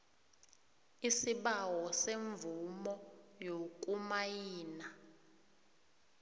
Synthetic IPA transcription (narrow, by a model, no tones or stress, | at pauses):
isiɓawɔseɱvumɔjok̬ʼumajiːna